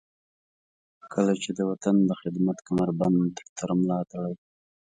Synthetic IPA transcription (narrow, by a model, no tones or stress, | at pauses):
kʰəlat͡ʃed̪əwat̪and̪əxɪd̪mat̪kamaɾbant̪ə̥ɾt̪ʰaɾmlɑt̪aɽaj